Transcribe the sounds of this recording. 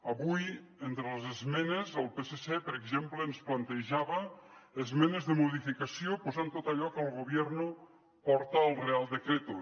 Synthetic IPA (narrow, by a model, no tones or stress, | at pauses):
aβuj | ent̪ɾelezezmenezelˠpesesepeɾekʒemplensplant̪eʒaβaezmenezðəmoðifikasjopozant̪ot̪aʎɔkalˠɣoβ̞jɛɾno | pɔɾt̪aːlˠrealˠd̪ekɾet̪o